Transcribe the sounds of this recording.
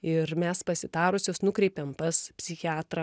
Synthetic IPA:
ɪɾmʲɛspɐsʲɪd̪ɑːɾʊsʲoːsnʊkɾʲɛɪpʲɛmpɐspʲsʲɪxʲɪɑːt̪ɾɐ

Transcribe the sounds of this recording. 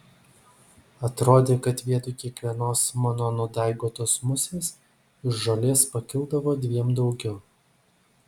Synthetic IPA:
ɐt̪ɾoːd̪ʲeːkɐt̪ʋʲiɛt̪ʊɪkʲiɛkʋʲiɛnoːsmɑnoːnʊd̪ɑˑɪɡoːt̪oːsmʊsʲeːs | ɪʃʒɐlʲeːspɐkʲɪlˠd̪ɐʋoːd̪ʲʋʲiɛmd̪ɒʊɡʲɛʊ

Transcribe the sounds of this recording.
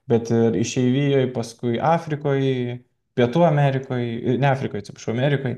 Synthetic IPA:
bʲɛt̪ɪɾɪʃʲɛɪʋʲiːjoːjpɐskʊɪʔɑːfʲɾʲɪkoːj | pʲiɛt̪uːɐmʲæːɾʲɪkoːjɪnʲɛaːfʲɾʲɪkoːjɐt͡sʲɪpɐ̥ʃɐʊɐmʲæːɾʲɪkoːj

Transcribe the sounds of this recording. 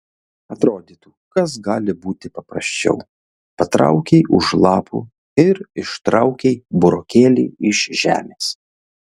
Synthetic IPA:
ɐt̪ɾoːd̪ʲiːt̪uːkɐsɡɑːlʲɪbuːt̪ʲɪpɐpɾɐ̰sʲt͡ʃʲɛ̰ʊ | pɐt̪ɾɐ̰ʊkʲɛɪʔʊʃlˠɑːpʰṵː | ɪɾɪʃt̪ɾɐʊkʲɛɪbʊɾoːkʲeːlʲḭːɪʃʒʲæ̰ːmʲeːs

